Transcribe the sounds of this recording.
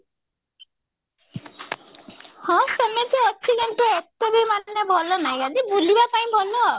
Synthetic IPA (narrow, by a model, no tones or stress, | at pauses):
hɔ̃senet̪eeksideɳʈɔekt̪ebemannjebʱɔlɔnajad̪ibʱulibapaĩbʱɔlɔ